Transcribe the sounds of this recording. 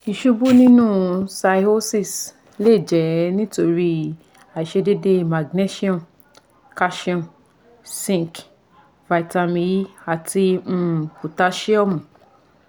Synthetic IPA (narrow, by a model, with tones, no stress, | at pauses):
i˨ʃu˧bu˦nĩ˦nũ˦sa˧ho˦si˦˨s | le˦˨d͡ʒɛ˨nĩ˦to˧ɾi˦ | a˨i˨ʃe˧de˦de˦ma˨ɡne˦ʃi˦ɔ̃˦˨n | ka˦ʃi˦ɔ̃˦˨n | sĩ˦˨k | va˨i˨ta˧mĩ˧˦a˨tʰi˧m̩̃˦˨ku˨ta˧˦ʃi˦ɔ˦˨mũ˨